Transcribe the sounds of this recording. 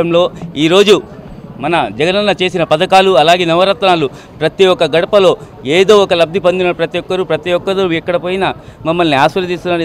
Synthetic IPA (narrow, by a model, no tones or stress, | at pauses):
ɐmlo̞ːiːɾo̞ːd͡ʒumɐnɐd͡ʒɛɡɐnɐnːɐt͡ʃe̞ːsinɐpɐd̪ɐkaːluɐlaːɡe̞ːnɐʋɐɾɐt̪ɐnaːlu | pɾɐt̪iɔkːɐɡɐɽɐpɐlo̞ː | e̞ːd̪o̞ːɔkɐlɐb̚d̪ʱipond̪inɐpɾɐt̪ijɔkːɐɾupɾɐt̪ijɔkːɐd̪ɐɛkːɐɽɐpoːjinɐmɐmːɐlniaːʃʋɐɾjɐd̪iːst̪unːaːɾ